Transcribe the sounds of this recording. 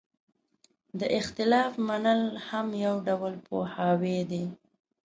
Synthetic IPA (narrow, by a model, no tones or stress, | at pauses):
d̪əʔɪxt̪ɪlɑfmanəlhamjawɖawəlpʰohɑwed̪e